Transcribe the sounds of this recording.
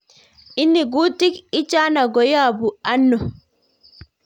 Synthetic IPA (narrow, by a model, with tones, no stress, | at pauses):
ʔɪ˦nːɪ˨ɡuː˦t̪ːɪ˦kɪ˦t͡ʃːaː˦na˨ɡɔ˨jaː˦˨bʊ˨ʔɐ˦nːɔ˨